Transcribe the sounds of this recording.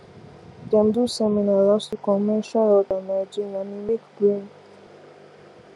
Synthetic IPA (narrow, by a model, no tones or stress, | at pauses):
dɛ̃mdusɛminalastukɔ̃nmɛʃalɔdamad͡ʒĩnãnimekdɹĩn